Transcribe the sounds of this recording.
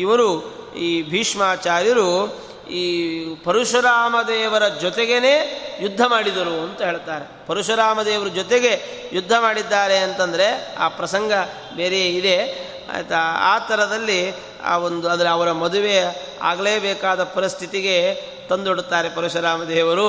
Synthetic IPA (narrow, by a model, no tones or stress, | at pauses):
iʋɐɾu | iːbʱiːʂmaːt͡ʃaːɾjɐɾu | iːpɐɾuʂɐɾaːmɐd̪ɛːʋɐɾɐd͡ʒɔt̪eɡe̞ne̞ːjud̪ʱːɐmaːɽid̪ɐɾuɐnt̪ɐɦe̞ːɭt̪aːɾe̞pɐɾuʂɐɾaːmɐd̪eːʋɐɾɐd͡ʒɔt̪eɡe̞ | jud̪ʱːɐmaːɽid̪ːaːɾe̞ɐnt̪ɐnd̪ɐɾe̞a̰ːpɾɐsɐŋɡɐ | beːɾejeid̪e̞̰ | t̪ɐa̰ːt̪ɐɾɐd̪ɐlːḭ | ond̪uɐnd̪ɐɾeɐʋɐɾɐmɐd̪uʋe̞ | a̰ːɡleːbɛːkaːd̪ɐpɐɾist̪ʰit̪iɡe̞ | t̪ɐnd̪oɽut̪ːaːɾe̞pɐɾuʂɐɾaːmɐd̪ɛːʋɐɾu